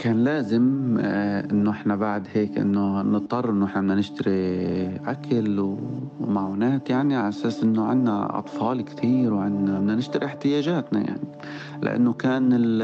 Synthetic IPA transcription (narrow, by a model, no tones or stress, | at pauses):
kaːnlaːzɪm | ʔɪnːoʔɪħnabaʕd̪heːkʔɪ̰nːonɨt̪ˤːɑrˤːʔɪnːoʔɪħnaɪnːanɪʃt̪aɾiʔakʰalwmaʕuːnaːt̪jaʕniʕaʔasaːsʔɪnːoʕɪ̰nːa̰ʔɑ̰t̪ˤfɑːlkt̪ʰiːɾwʕɪnːabnanɪʃt̪aɾiɪħt̪ɪjaːʒaːt̪na̰ja̰ʕni | lɪ̰ʔa̰nːokaːnɪ